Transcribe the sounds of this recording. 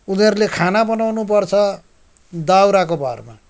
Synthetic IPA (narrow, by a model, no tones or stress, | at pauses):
uniʌɾulekʰanabʌnawnup̬ʌrt͡sʰʌ | d̪awɾakobʱarma̰